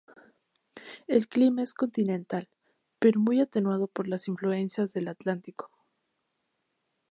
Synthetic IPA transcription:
e̞lklimae̞sko̞nt̪inẽ̞nt̪al | pe̞ɾo̞mujat̪e̞nwað̞o̞po̞ɾlasiɱflue̞nsjazðe̞lat̪lant̪iko̥

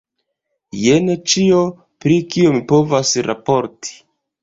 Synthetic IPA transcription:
jenet͡ʃio | pɾikio̞mipo̞vasɾa̰po̞ɾti̥

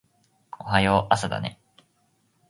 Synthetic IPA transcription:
ohajoʔasad̪a̰nḛ

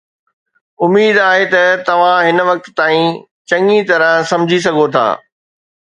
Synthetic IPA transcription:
ʊmiːd̪aːɦet̪ɐt̪ɐʋ̤ãɦɪnʋɐk̚t̪t̪ːaːĩ | t͡ɕɐŋit̪ɐɾə̃sɐ̃md͡ʑʱis̬ɐɡʱot̪ʰa̰ː

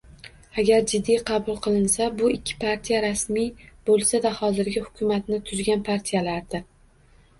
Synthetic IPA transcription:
aɡʲaɾd͡ʒɪd̪ːijqʰɑbʊlˠqʰɨlˠɪnsabʊɪkʲʰːɪ̥pʰaɾt̪ʰijaɾasmijb̥olˠsad̪ahɒzɪɾɡʲɪhʊ̥kʲʰʊmat̪nɪt̪ʰʊzɡʲanpʰaɾt̪ʰijalaɾd̪ɪ

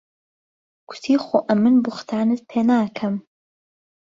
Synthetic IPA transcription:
ɡ̥ʊ̥t̪ʰiːxoːʔɐmːɨnbʊxt̪ʰaːnɨt̪̚pʰeːnaːkʰɐm

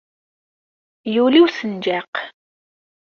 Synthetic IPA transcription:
juliwsənd͡ʒaq

